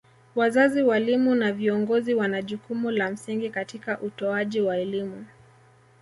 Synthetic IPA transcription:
wazaziwalimunaviɔŋɡɔziwanaʄukumulam̩siŋɡikatikaʔutɔaʄiwaɛlimu

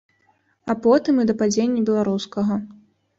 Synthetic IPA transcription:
ɐpɔt̪ɨmid̪ɐpad͡zʲenʲːɐbʲɛlˠaɾuskɐɣɐ

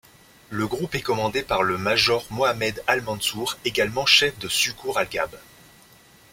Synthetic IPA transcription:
ləɡʁupɛkɔmɑ̃d̪epaʁləmaʒɔʁmoamɛd̪almɑ̃nsuʁeɡalmɑ̃ʃɛfd̪əsykʰuʁalɡʲab

